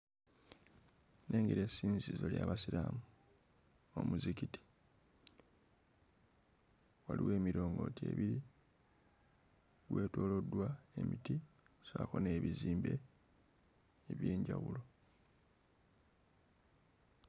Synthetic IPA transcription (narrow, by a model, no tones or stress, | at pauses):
nʔe̞ːŋɡeɾe̞siːnzizo̞ljaβasiɾamu | o̰muzikiti̥ | waliwe̞ːmiɾo̞ːŋɡo̞te̞̰βiɾi | ɡwʔe̞ːtwo̞ːlo̞dːwae̞miti | sako̞ne̞ːβiziːmbe̞ | eβje̞ːɲɟawulo̞